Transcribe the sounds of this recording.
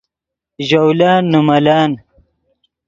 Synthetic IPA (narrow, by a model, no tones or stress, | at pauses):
ʑowlaːnːumɐlaːn